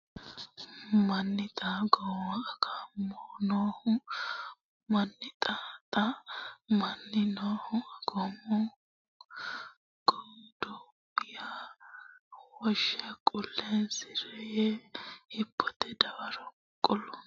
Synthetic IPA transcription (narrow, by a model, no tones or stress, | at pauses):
mɐnːɪt̪ʼaːɡɔmɐkʰamoːnoːhʊ | mɐnːɪt̪ʼaːt̪ʼɐmɐnːɪnoːhʊɡɔmɔ | ɡ̥ɔd̪oː | bɪja | wɔʃɐkʼʊlːɛnsɪɾɛjɛhɪpʰːɔt̪ɛd̪ɐwɐɾɔ | kʼːɔlɔ